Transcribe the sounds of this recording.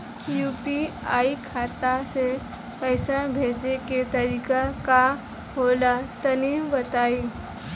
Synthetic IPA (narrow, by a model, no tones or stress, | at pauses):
jupiaikʰat̪ase | pəjsə̃bʱed͡ʒeket̪əɾikaka | ɦolat̪ənibət̪ai